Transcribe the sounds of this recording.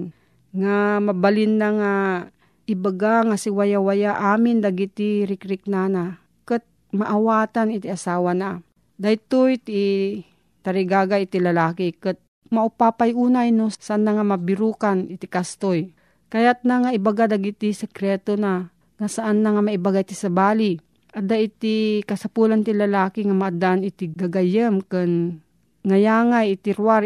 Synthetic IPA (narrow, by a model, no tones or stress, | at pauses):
ŋamabalɪnːaŋa | ʔɪbaɡaŋasɪwajawajaʔaːmɪnd̪aɡit̪iɾɪkɾɪk̚nana | kɨt̪̚ | maʔawaːt̪anɪt̪iasaːwana | d̪ajt̪ojt̪ː | t̪aɾɪɡaːɡaɪt̪ɪlalaːkikɨt̪̚ | maʔʊpaːpajʔuːnajnosaʔanːaŋamabɪɾuːkanɪt̪ikast̪oj | kɐjat̪̚naŋaʔɪbaɡad̪aɡit̪isɛkɾɛt̪ona | ŋasaʔanːaŋamaɪbaɡait̪isɐbaːli | ʔad̪ait̪ikɐsapulant̪ilɐlaːkiŋamaad̪aʔnɪt̪iɡaɡajəmkɨn | ŋajaːŋajɪt̪iɾwaɾ